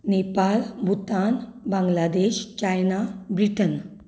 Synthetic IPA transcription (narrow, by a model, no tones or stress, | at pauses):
nepalbʱut̪anbãŋɡlad̪eɕt͡ɕajnabɾiʈən